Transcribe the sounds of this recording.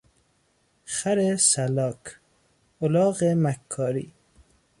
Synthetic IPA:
χaɾesalɑːk | ʊlɑːɣemakʰːɑːɾḭ

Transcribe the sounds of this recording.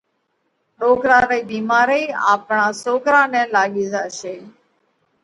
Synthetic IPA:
ɗoːkɾãːɾəiːbiːmaːɾəiːa̰ːpɳãːsoːkɾãːnɛ̃ːlaːɠiːzaːʃeː

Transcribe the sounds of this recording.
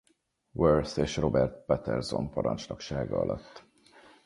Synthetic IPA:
wørseːʃro̞bɛrt̪̚pɛt̪ɛrzo̞mpɒɾɒnt͡ʃlɒkʃaːɡɒɒlʔɒt̪ː

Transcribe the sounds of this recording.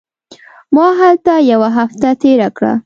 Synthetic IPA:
mɑɦalt̪ajawaɦaft̪at̪eɾakɽa̰

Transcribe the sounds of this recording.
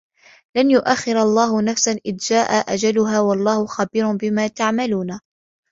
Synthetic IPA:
lanjʊʔaxːɪɾɑlˤːɑːhʊnafsanʔɪðd͡ʒaːʔaʔad͡ʒalʊɦaːwɑlˤːɑːhʊxabiːɾʊbɪmaːt̪aʕmaluːna

